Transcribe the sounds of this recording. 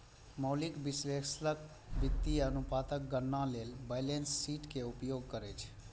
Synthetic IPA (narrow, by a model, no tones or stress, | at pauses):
məʊlɪkbɪsweːkslək | bɪt̪ːiənʊpaːt̪ək̚ɡəɾnːãleːlbaɪleːnsːiːʈkeʊpjoːɡ̚kəɾet͡ʃʰ